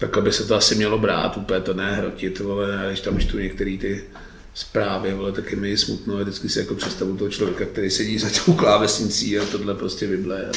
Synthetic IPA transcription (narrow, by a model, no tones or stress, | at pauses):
t̪akɛbɪsɛt̪oasɪmɲɛlo̞bɾa̰ːt̪upɛt̪onɛːɦɾo̰cɪt̪olɛaːɡdɪʃt̪amt͡ʃt̪uɲɛk̚t̪ɛɾiːt̪ɪ | spɾaːvɪolɛt̪akjɛmɪɪsmut̪novdɪt͡sskɪsɪjakopr̥ɛt̪st̪avut̪oɦot͡ʃlo̞vjɛkak̚t̪ɛɾejsɛɟiːzacɛuklaːvɛsɲɪt͡siːat̪odlɛpɾoscɛvɪblɛɛ̰